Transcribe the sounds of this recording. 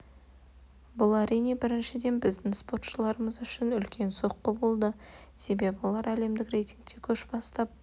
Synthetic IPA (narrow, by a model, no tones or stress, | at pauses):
bʊlˠæɾijne̞bɪɾɪnʃɪd̪e̞nbɪzd̪ɪŋspo̞rt̪ʃəlˠɑɾəməzʏʃɪnʏlkʲʰe̞nso̞qːəbo̞lˠd̪ə | se̞be̞pwo̞lˠɑɾæle̞md̪ɪkre̞jt̪ʲiŋɡ̚t̪e̞kʲʰɵʃbɑst̪ɑp̚